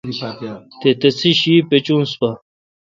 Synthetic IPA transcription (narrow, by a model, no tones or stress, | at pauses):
t̪et̪et͡sʰiɕipet͡ɕũːnspa